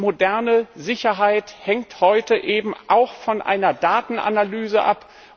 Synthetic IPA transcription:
modɛɐnəzɪçɐɦaɪthɛŋthɔʏtəʔeːbm̩ʔa̰ʊxfɔnʔa̰ɪnɐdaːtn̩ʔa̰nalyːzəʔa̰p

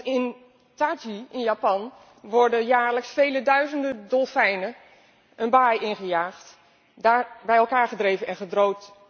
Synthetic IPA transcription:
ɪn | taːd͡ʒiɪnjapɑn | ʋɔɹdənjaːɹləksfejlədœɥzəndədɔlˠfɛjnə | ənbaːjɪnχəjaːχt | daːbɛjɛlˠkaːɹχədrejvənɛnχədrowt

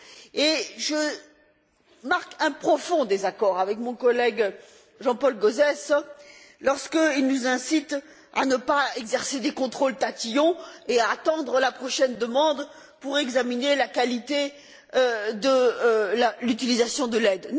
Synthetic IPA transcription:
eʒə | maʁkɛ̃pχɔfɔ̃d̪ezakɔʁavɛkmɔ̃kɔlɛɡ | ʒɑ̃pɔlɡozɛs | lɔʁskəilnuzɛ̃sit̪ | a̰nəpaɛɡzɛʁsed̪ekɔ̃t̪χolt̪at̪ijɔ̃eaːt̪ɑ̃d̪ʁəlapχɔʃɛnd̪əmɑ̃d̪ | puʁɛɡzaminelakalit̪e | ød̪əlalyt̪ilizasjɔ̃d̪əlɛd̪

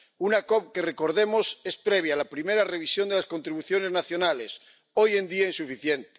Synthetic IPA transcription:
unakop̚ke̞reko̞ɾðemo̞sespɾeβ̞jalapɾimeɾare̞β̞isjo̞nd̪elasko̞nt̪ɾiβ̞uθjo̞ne̞znaθjonales | oje̞nd̪iainsufiθjent̪e̥

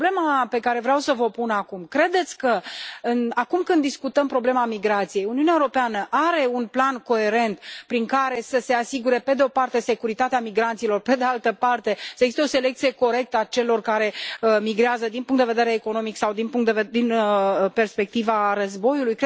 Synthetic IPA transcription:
ble̞mape̞kaɾe̞vɾeawsəvəpunakumkɾe̞d̪e̞t̪sʲkəɨnakumkɨnd̪ːiskut̪əmpɾo̞ble̞mamiɡɾat̪sije̞juniuneaewuɾopeanəʔaɾe̞unplanko̞e̞ɾe̞nt̪pɾiŋkaɾe̞səse̞asiɡuɾe̞pe̞d̪eo̞part̪e̞se̞kuɾit̪at̪eamiɡɾant̪silo̞rpe̞d̪e̞alt̪əpart̪e̞səeɡzist̪eo̞se̞le̞kt̪sie̞ko̞ɾe̞k̚t̪əat͡ʃe̞lo̞rkaɾe̞əmiɡɾeazəd̪inpuŋk̪d̪eve̞d̪eɾeːko̞no̞miksawd̪inpuŋkt̪d̪ed̪inəpe̞rspe̞k̚t̪ivarəzbo̞julujk

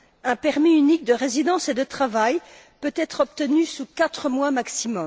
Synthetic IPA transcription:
ɛ̃pɛʁmiynik̚d̪əʁezid̪ɑ̃sed̪ət̪χavaj | pøt̪ɛt̪χɔp̚t̪ənysukat̪χəmwamaksimɔm

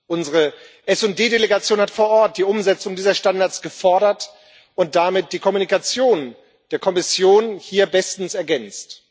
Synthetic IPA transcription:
ʔʊnzəʁəʔɛsʊndeːdeleɡat͡sjoːnhatfoːɐʔɔɐt̚d̥iːʔʊmzɛt͡sʊŋdiːzɐʃtandaɐt͡sɡ̥əfɔɐɾɐt | ʔʊnt̚d̥amɪt̚d̥iːkʰɔmunikat͡sjoːn | d̥eːɐkʰɔmɪsjoːnhiːɐbɛstn̩sɛɐɡɛnt͡st

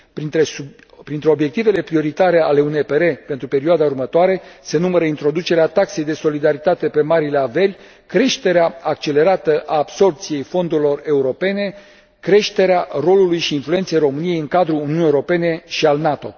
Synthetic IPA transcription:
piesu | pɾint̪ɾeo̞bje̞k̚t̪ive̞le̞pɾio̞ɾit̪aɾe̞ale̞unepe̞ɾe̞pe̞nt̪ɾupe̞ɾioad̪aurmət̪oaɾe̞se̞numəɾəint̪ɾo̞d̪ut͡ʃe̞ɾeat̪akse̞jd̪e̞so̞lid̪aɾit̪at̪e̞pe̞maɾileave̞lʲ | kɾe̞ʃt̪e̞ɾeaak̚t͡ʃe̞le̞ɾat̪əʔaːbso̞rp̚t̪sije̞jfo̞nd̪uɾʲilo̞re̞uɾo̞pe̞ne̞ | kɾe̞ʃt̪e̞ɾearo̞lulujʃiːnflue̞nt̪se̞jro̞mɨnije̞jɨŋkad̪ɾuuniuniewoɾope̞ne̞ʃialnat̪o̞̰

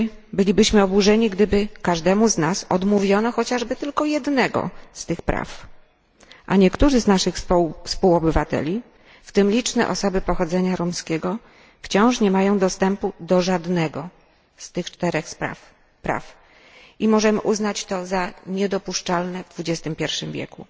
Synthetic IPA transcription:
bɘlʲibɘɕmɘɔbuʐɛɲiɡd̪ɘbɘkaʐd̪ɛmuznasɔd̪muvʲjɔnɔxɔt͡ɕaʐbɘt̪ɘlkɔjɛd̪nɛɡɔ̰st̪ɘxpɾa̰f | ʔaɲɛkt̪uʐɘznaʂɘxspuwɔbɘvat̪ɛ̰lʲi | ft̪ɘmlʲit͡ʂnɛ̰ʔɔ̰sɔbɘpɔxɔd̪zɛɲaɾɔmskʲɛɡɔ | ft͡ɕɔ̃w̃ʂɲɛmajɔ̃w̃d̪ɔst̪ɛmpud̪ɔʐad̪nɛɡɔ | st̪ɘxt͡ʂt̪ɛɾɛxpa̰ | pɾa̰f | ʔimɔʐɛmɘ̰ʔuznat͡ɕt̪ɔzaɲɛd̪ɔpuʂt͡ʂalnɛvd̪vud͡ʑɛst̪ɘmpʲjɛɾfʂɘmvʲjɛ̰kṵ

